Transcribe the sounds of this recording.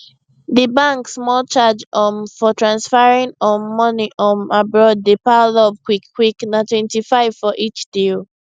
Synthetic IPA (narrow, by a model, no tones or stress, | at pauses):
ðəbãŋksmɔlt͡ʃad͡ʒɔnfɔtʰɹãnsfaɹĩnɔ̃nmɔniʔɔ̃nabɹɔd̚depalɔvkwikːwiknatwɛ̃ntifaɪv̥fɔʔit͡ʃd̥il